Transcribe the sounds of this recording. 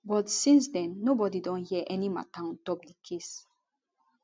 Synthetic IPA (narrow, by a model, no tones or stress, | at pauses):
bɔtsĩnsdɛ̃nːobɔdidɔ̃nhiəʔɛnima̰tãntɔp̚dəkʰes